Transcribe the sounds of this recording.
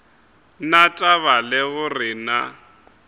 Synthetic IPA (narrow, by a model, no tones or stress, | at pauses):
natʼaβalɪɣʊrɪna